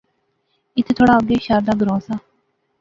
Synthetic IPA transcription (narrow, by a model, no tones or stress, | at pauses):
ɪt̪ʰet̪ʰoːɽaːoɡeːʃaːɾd̪aːɡəɾõːsaː